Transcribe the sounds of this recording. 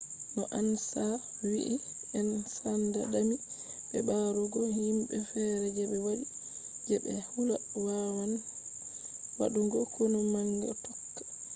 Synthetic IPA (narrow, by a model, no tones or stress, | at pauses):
nɔʔansa | wḭʔi | ɛnsanda̰ɗami | ɓɛbaɾuɡɔhimɓɛfɛɾɛd͡ʒɛɓɛwaɗi | d͡ʒɛɓɛhulawawan | wa̰ɗuŋɡɔkonumaŋɡɔ̰tɔkːḁ